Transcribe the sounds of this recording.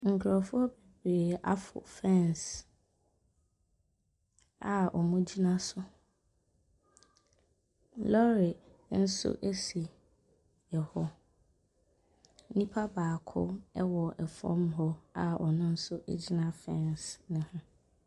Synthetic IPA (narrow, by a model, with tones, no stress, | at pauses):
ŋ̩˨kʰɾɔ˨fʊ˦ɔ˦be˨bɾeː˨a̰˦fʊ̰˨fɛ̃˦ns | a˨ɔ˨mʊ̃˦d͡ʑi˦nã˦sʊ˦ | lɔ˦ɾɪ˨ | n̩˦sʊ̰˦ʔe˦si˨ | ɛ˨hɔ˦ | nĩ˦pʰa˦baː˨kʰʊ̰˦ɛ˦wɔ˨ʔɛ˨fɔ̰̃˦m˦ɦɔ˦a˨ɔ˨nʊ̃˦n̩˦sʊ˦ʔḛ˦d͡ʑi˦nã˦fɛ̃˦˨nsnʊ̃˨hʊ̃˦